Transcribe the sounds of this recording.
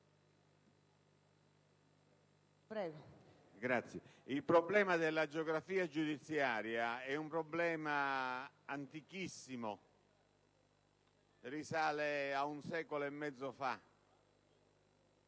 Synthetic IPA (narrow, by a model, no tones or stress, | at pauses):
pɾɛːɡo | ɡɾat̪sːjɛilpɾɔblɛːmad̪elːad͡ʒeɔɡɾafiːad͡ʒud̪it̪sːjaːɾjaɛumpɾɔblɛːma | ant̪ikisːimo | risaːleaunsɛːkoloɛmːɛd̪zːofa